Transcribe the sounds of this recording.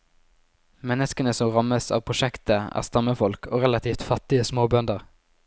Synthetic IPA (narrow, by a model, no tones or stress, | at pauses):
mɛnəskənəsɔmʁɑməsɑ̰ːpʰʁʊʃɛkt̪əæ̰ːʁst̪ɑməfɔlkʰo̰ːʁɛlɑt̪ʰiːft̪fɑt̪ɪəsmoːbœnd̪əʁ